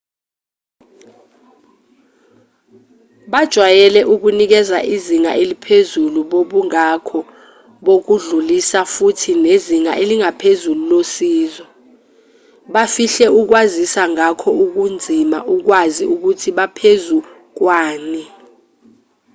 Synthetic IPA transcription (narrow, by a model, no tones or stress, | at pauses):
ɓad̥ʒ̥ʱwajɛlɛʔuk̬unik̬ɛzaʔiziŋa̰ʔelipʰezuluɓoɓuŋakʰɔ | ɓok̬uɮulisafutʰineziŋa̰ʔeliŋapʰezululosiːzɔ | ɓafiɬɛuk̬wazisaŋakʰɔuk̬und͡zʱima̰ʔuk̬waziuk̬utʰiɓapʰezu | k̬waːni